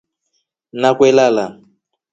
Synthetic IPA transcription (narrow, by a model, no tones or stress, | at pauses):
nakwɛlala